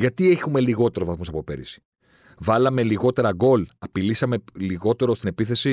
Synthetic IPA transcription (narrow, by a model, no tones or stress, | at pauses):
ʝɐt̪ie̞çume̞liɣo̞t̪e̞ɾovɐθmusɐpo̞pe̞̰ɾḭsi̥ | vɐlɐme̞liɣo̞t̪e̞ɾɐɡo̞lɐpilisɐme̞liɣo̞t̪e̞ɾost̪ine̞piθe̞si